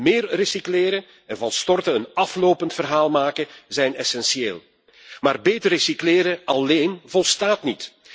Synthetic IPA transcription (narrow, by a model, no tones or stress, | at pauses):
mɪːrrisiklɪːɾə | ɛnvɑnstɔrtəənɑfloːwpəntfərɦaːlˠmaːkəzɛjnɛsɛnsieːlˠ | maːrbeːtərːisikleːɾəɑleːnvɔlˠstaːtnit